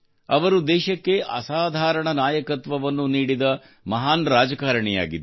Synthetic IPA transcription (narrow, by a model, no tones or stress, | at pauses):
ɐʋɐɾud̪ɛːʃɐkːe̞ʔɐ̰saːd̪ʱaːɾɐɳɐnaːjɐkɐt̪ʋɐʋɐnːuniːɽid̪ɐ | mɐɦaːnɾaːd͡ʒɐkaːɾɐɳɛja̰ːɡid̪